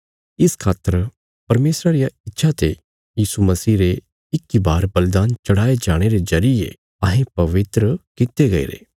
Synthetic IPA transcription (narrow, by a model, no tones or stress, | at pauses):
ɪskʰaːt̪ːəɾ | pɐɾmeːsɾaɾijaɪtːʃʰat̪e | jiːsumɐsiːɾe | ɪkibaːɾbɐld̪aːnt͡ʃɐɽ̤aːed͡ʒaːɽ̃eɾezɐɾɪjḛ | ɐɦẽpɐʋɪt̪ɾəkɪt̪eɡɐḛːɾḛː